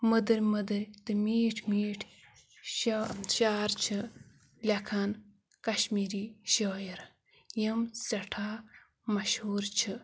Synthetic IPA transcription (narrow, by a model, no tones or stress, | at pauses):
məd̪ɨɾʲməd̪ɨɾʲt̪ɨmiːʈʰmiːʈʰ | ʃʃaːɾt͡ʃʰɨ | lʲɐkʰan | kɐʃmiːɾiʃoːjiɾ | jəmsɐʈʰaː | mɐʃhuːɾt͡ʃʰɨ